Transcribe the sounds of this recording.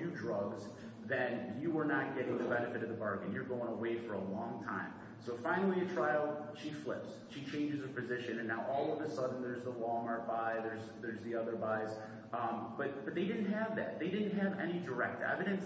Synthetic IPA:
jʉdɹʌɡz | ðɨ̃njɨwə˞nət̚ɡ̥ɛɾɪ̃ŋðɨbɛnɨfɨɾʌvðəbɑɹɡɨ̃njə˞ɡoʊɪ̃ŋəweɪfə˞əlɔ̃ŋtʰã̰ɪ̃m | soʊfãɪ̃nl̩ˠiɨtʰɹ̥aɪl̩ˠʃiflɪ̰ps | ʃit͡ʃʰẽɪ̃nd͡ʒɨzɨpʰɨzɪʃɨ̃nɨ̃nːaʊʔɔlˠʌvðɨsʌdⁿn̩ðə˞zðəlɔmɑɹt̚b̥aɪðə˞zðə˞zðiʌðə˞baɪz̥ | b̥ʌt̚b̥ʌt̪̚ðeɪɾɪdⁿn̩ʔ̚ɦɨvðæ̰t̪̚ðeɪdɪdⁿn̩t̚ɦɨvɛ̰ñidə˞ɛ̰k̚təɛ̰vɨɾɨ̃n

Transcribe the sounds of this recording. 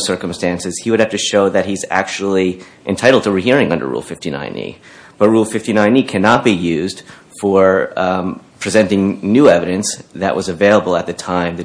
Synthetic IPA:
sɜ˞kə̃m̩stæ̃nsɨz̥hiwɨɾ̚hæftɨʃoʊðɨt̚hizæ̰k̚t͡ʃul̩ˠiʔɨ̃ntʰaɪɾl̩ˠd̚tʰəɹɨɦiɹɪ̃ŋʌ̃ndə̰˞ɹṵlˠfɪftinã̰ɪ̃nḭ | b̥ʌt̚ɹulˠfɪftinãɪ̃nikʰænɑt̚b̥ijʉzd̥ | fə˞ | pʰɹ̥izɛ̃ntɪ̃ŋnʉɛvɨɾɨ̃nsðɨʔwʔʌzɨveɪlˠəbl̩ˠət̪̚ðɨtʰãɪ̃mðɨ

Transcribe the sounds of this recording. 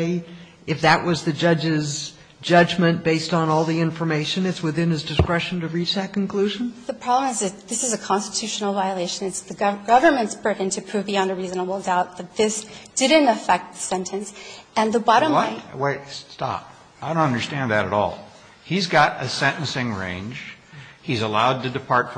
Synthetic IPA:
ɪ | ɨfðɨʔ̚wʔʌzðɨd͡ʒʌd͡ʒɪz | d͡ʒʌd͡ʒmɨ̃nb̥eɪstn̩ɔlˠðiɪ̃ɱfə˞meɪʃɨ̃nɨtswɨθɪ̃nɨzdɨskɹɛʃn̩tɨɹit͡ʃðɨt̚kn̩kʰl̥ʉʒɨ̃n̩ðɨpʰɹ̥ɑblə̃mɨzɨðɪsɨzɨkʰɑ̃nstə̥tʰʉʃn̩l̩ˠvaɪəleɪʃɨ̃nɨtsðɨɡɡ̥ʌvə˞mɨ̃ntsb̥ɹɪɾ̃n̩tʰɨpʰɹ̥ʉviɑ̃ndəɹiznəbl̩ˠdaʊt̪̚ðɨt̪̚ðɪsd̥ɪdⁿn̩təfɛk̚t̪̚ðəsɛ̃ntʰɨ̃nsɨ̃nðəbɑɾə̃mweɪttɑ̰p̚ | aɪdõʊ̃nʌ̃ndə˞stæ̃nðɨɾɨ̰ɾɔ̰lˠ | hizɡɑɾɨ̰sɛ̃ɾ̃n̩sɪ̃ŋɹḛ̃ɪ̃nd͡ʒ | izəlaʊd̚tɨdɨpʰɑɹtf

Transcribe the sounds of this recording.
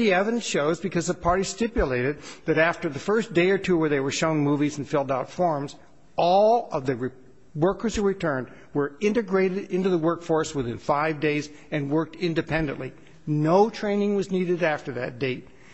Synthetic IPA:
iɛvɨɾn̩ʃoʊzbɨkʰʌzðəpʰɑɹɾistɪpjɨleɪɾɨd̪̚ðɨɾæftə˞ðɨfɜ˞sd̥eɪə˞tʰuwə˞ðeɪwə˞ʃõʊ̃nmuvizn̩fɪlˠdaʊtfɔɹmz | ɔlˠʌvðɨɹ | wɜ˞kə˞zəɹɨtʰɜ̃˞n̚ | wə˞ɪ̃ntɨɡɹeɪɾɨɾɪ̃ntʉðəwɜ˞kfɔɹswɨθɪ̃nfaɪvdeɪz | ɨ̃nwɜ˞k̚tɪ̃ndɨpʰɛ̃ndɨ̰̃nʔli | noʊtʰɹ̥ẽɪ̃nɪ̃ŋwʌzniɾɨɾæftə˞ðɨt̚d̥eɪt̚

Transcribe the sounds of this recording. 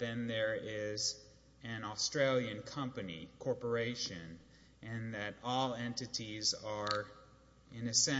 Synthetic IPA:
ðɨ̃nðə˞ɪz | ɨ̃nɔstɹ̥eɪlˠjɨ̃nkʰʌ̃mpɨnḭkʰɔɹpə˞eɪʃɨ̃n | ʔɨ̃nðɨɾɔlˠɛ̃ntɨɾizə˞ | ɪ̃nɨsɛ̃

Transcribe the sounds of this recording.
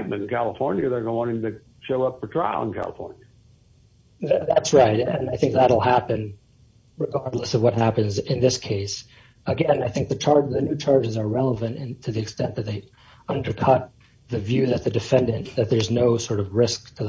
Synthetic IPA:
t̚mɨ̃nn̩kʰælˠəfɔɹnjɨðə˞ɡə̃nəwɑ̃ñɪ̃ŋtɨ | ʃoʊʌp̚ə˞tʰɹ̥aɪl̩ˠə̰̃nkʰæ̰lˠə̰fɔ̰ɹnjɨ | ððætsɹaɪt̚ɨ̃naɪθɪ̃ŋk̚ðəɾl̩ˠɦæpɨ̃n | ɹɨɡɑɹdˡləsʌvwʌt̚ɦæpɨ̃nzɪ̃nðɪskʰeɪs | əɡɛ̃naɪθɪ̃ŋk̚ðɨt͡ʃʰɑɹðɨnʉt͡ʃʰɑɹd͡ʒɨzə˞ɹɛlˠəvɨ̃ntɪ̃tʰɨðiɨkstɛ̃nðɨt̪̚ðeɪ | ʌ̃ndə˞kʰʌt̪̚ | ðɨvjʉðɨt̪̚ðɨdɨfɛ̃ndɨ̃nðɨt̪̚ðə˞znoʊsɔɹɾʌvɹɪsk̚tʰɨ

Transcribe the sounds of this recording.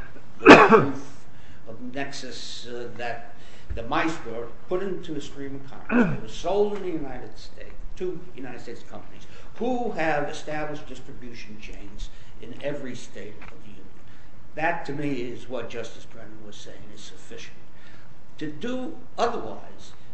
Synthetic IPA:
ðɨuf | ʌ | nɛksɨs | ðɨt̪̚ | ðɨmaɪswɔɹ | pʰʊɾɪ̃ntʰuɨstɹ̥ĩmɨ̥̃kʰɑ̰̃fɹ̰̃nɨwʌz̥soʊlˠɨ̃nðɨjʉnaɪɾɨd̥steɪttʰu | jɨ̰naɪɾɨd̥steɪtskʰʌ̃mpəniz̥ | hu | ɨvɨstæbləʃd̥ɪstɹ̥ɨbjʉʃn̩t͡ʃʰḛ̃ɪ̃nz | ʔɨ̃nɛvɹisteɪɾʌvðɨjʉ̃nɨ̃n | ðɨtʰɨmiɪzwʌt̚d̥ʒ̥ʌstɨsdɹ̥ɛ̃ñn̩wʌz̥seɪɪ̃ŋɨz̥sɨfɪʃɨn̩ | tʰɨdə | ʌðə˞wa̰ɪz̥

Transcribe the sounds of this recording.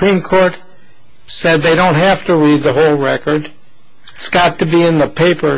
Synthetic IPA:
pɹ̥ĩmkʰɔɹt̚ | sɛd̪̚ðeɪɾõʊ̃nt̚ɦæftɨɹid̪̚ðəɦoʊlˠɹɛkə˞d | tsɡ̥ɑtɨbiɨ̃nðəpʰeɪpə˞

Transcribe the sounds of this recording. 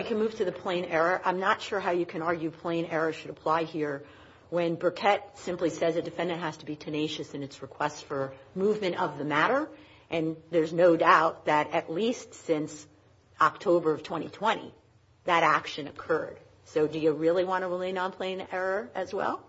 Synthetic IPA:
ɨkʰɨ̃nmʉv̥tʰɨðɨpʰl̥ẽɪ̃nɛɹə˞ʔãɪ̃mnətʃʊɹɦaʊjɨkʰɨ̃ñɑɹɡjʉpʰl̥ẽɪ̃nɛɹəʃɨɾəpʰl̥aɪhiɹ | wɨ̃nbə˞kʰɛt̚sɪ̃mplisɛzɨdɨfɛ̃ndɨ̃nʔ̚ɦæz̥tʰəbitʰɨneɪʃɨsɨ̃nɨtsɹɨkʰw̥ɛstsfə˞muvmɨ̃ñʌvðɨmæɾə˞ | ʔɨ̃nðə˞znoʊdaʊt̪̚ðɨɾɨtˡlistsɪ̃ns | ɑk̚tʰoʊbə˞ʌv̥tʰw̥ɛ̃ɾ̃ḭtʰw̥ɛ̃ɾ̃ḭ | ðɨɾækʃɨ̃nɨkʰɜ˞d̥ | soʊdɨjɨɹɪlˠiwɑ̃ñəɹəlẽɪ̃nə̃npʰl̥ẽɪ̃nɛɹə˞ɨzwɛ̰lˠ

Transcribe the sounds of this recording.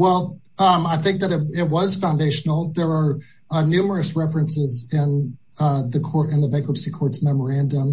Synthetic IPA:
wɛlˠ | ʌaɪθɪ̃ŋk̚ðɨɾɨt̚ɪt̚wʌz̥fãʊ̃ndeɪʃn̩l̩ˠðə˞ə˞ | nʉmə˞ɨsɹɛfɹɨ̃nsɪzɪ̃n | ðɨkʰɔɹɾɨ̃nðəbeɪkəpsikʰɔɹtsmɛmə˞æ̃ndə̃m

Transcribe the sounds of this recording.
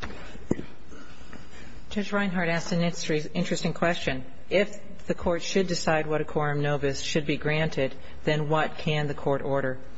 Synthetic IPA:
d̥ʒ̥ʌd͡ʒɹãɪ̃nɦɑɹɾæssɨ̃nɪ̥̃ | ɪ̃nt͡ʃɹ̥ɨstɪ̃ŋkʰw̥ɛst͡ʃɨ̃n | ɪf | ðɨkʰɔɹtʃɨdɨsaɪd̚wʌɾɨkʰɔɹɨ̃mnoʊvɨsʃɨd̚biɡɹæ̃ntʰɪd̪̚ | ðɨ̃nwʌt̚kʰɨ̃nðɨkʰɔɹɾɔɹɾə˞

